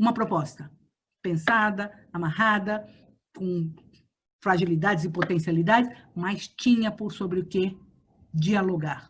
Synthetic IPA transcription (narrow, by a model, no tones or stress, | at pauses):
ũmɐpɾopɔst̪ɐ | pẽsad̪ɐ | amahad̪ɐ | kõ | fɾaʒilid̪ad͡ʒɪzɪpot̪ẽsialid̪ad͡ʒɪsmajst͡ʃĩɲɐpoɾsobɾɪʊke | d͡ʒialoɡaɾ